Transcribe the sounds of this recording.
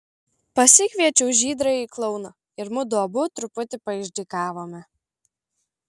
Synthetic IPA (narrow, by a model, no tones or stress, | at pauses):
pɐsʲɪkʲʋʲiɛt͡ʃʲɛʊʒʲiːd̪ɾɐiklˠɔʊnɐ | ɪɾmʊd̪uɔbʊt̪ɾʊpʊt̪ʲɪpɐɪʒʲd̪ʲikɑːʋoːmʲɛ